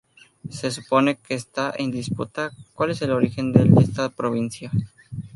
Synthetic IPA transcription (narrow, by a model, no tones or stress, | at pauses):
se̞s̬upo̞ne̞ke̞ːst̪aʔend̪ispṵt̪akwale̞se̞lo̞ɾixe̞nd̪elest̪apɾoβ̞insja